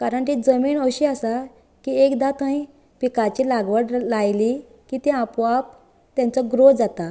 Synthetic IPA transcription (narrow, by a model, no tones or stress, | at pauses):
kaɾəɳt̪id͡zəmiːnəɕiasa | kiekd̪at̪ə̃ĩ | pikat͡ɕilaɡʋəɽlajli | kit̪ĩapap | t̪jãnt͡səɡɾod͡zat̪a